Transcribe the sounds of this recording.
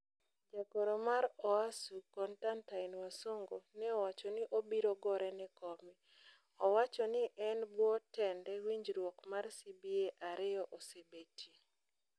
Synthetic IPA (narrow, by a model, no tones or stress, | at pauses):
d͡ʒakɔɾomaɾɔasukɔntantaɪnwasoŋɡonɛɔwat͡ʃɔnɪʔobiɾɔɡɔɾɛnɪkɔmɪ | ɔwat͡ʃɔnɪʔɛnbwɔtɛndɛwiɲd͡ʒɾwɔkmarsibieʔaɾɪɔʔosebeti